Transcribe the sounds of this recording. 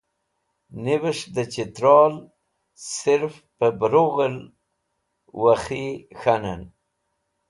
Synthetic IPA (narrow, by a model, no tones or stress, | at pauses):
nɪβəʂd̪ət͡ʃɪt̪ɾɑl | sɪɾf | pəbɾoɣəl | waxixanan